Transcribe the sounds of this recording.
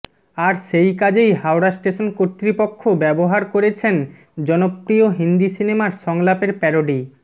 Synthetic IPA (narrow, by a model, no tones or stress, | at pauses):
aɾʃejkad͡ʑejɦawɾasʈeʃonkot̪ːɾipokʰːobɛboɦaɾkoɾet͡ɕʰen | d͡ʑɔnopɾioɦind̪isinemaɾʃɔŋlapeɾpɛɾoɖi